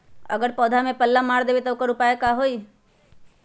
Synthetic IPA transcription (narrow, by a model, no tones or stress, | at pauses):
ə̰ɡəɾpɔːd̪ʱamẽpəlːamaɽd̪ebet̪ɔʊkəɾʊpaekaɦoi